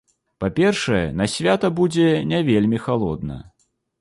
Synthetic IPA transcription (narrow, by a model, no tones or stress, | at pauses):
papʲɛrʂɐjɛ̰nɐsʲvʲat̪ɐbud͡zʲɛnʲavʲelʲmʲixalˠɔd̪nɐ̰